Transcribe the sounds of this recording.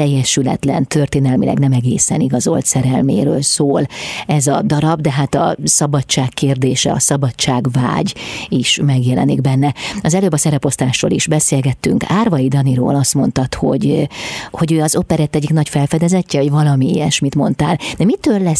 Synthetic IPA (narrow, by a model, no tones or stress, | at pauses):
ɛjːɛʃylɛ̰t̪lɛ̰nt̪ʰørt̪eːnɛlmilɛ̰ɡnɛmɛɡeːsɛ̰niɡɒzo̞̰lt̪sɛɾɛlmḛːɾø̰ːlsoːlɛzɒd̪ɒɾɒbd̪ɛɦaːt̪ɒ̰sɒbɒtt͡ʃːaːkːeːrd̪eːʃɛ̰ɒ̰sɒbɒtt͡ʃaːɡva̰ːɟiʃmɛɡjɛlɛ̰niɡ̚bɛnːɛɒzɛløːbɒsɛɾɛpo̞st̪aːʃro̰ːliʒbɛseːlɡɛt̪ːyŋkaːrvɒid̪ɒniɾo̰ːlɒst̪mo̞nt̪ɒt̪ho̞ɟho̞ɟøːɒzo̞pɛɾɛt̪ːɛɟːiknɒcfɛlfɛd̪ɛzɛcːɛo̞ɟvɒlɒmieːjɛʃmit̪mo̞nt̪aːld̪ɛmit̪øːlːɛ